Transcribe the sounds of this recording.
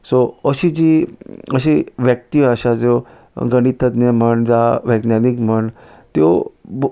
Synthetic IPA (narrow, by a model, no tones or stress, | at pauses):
soəɕid͡ʑiəɕiʋjək̚t̪iaɕad͡zo | ɡəɽ̃it̪ət̪neməɳd͡zaʋəɡnjanikm̤əɳ | t̪jo̰